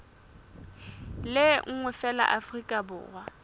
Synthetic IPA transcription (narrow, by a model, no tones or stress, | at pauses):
lɪŋ̩ŋwɛfɛla̰ʔafrikʼabʊ̰ːrwa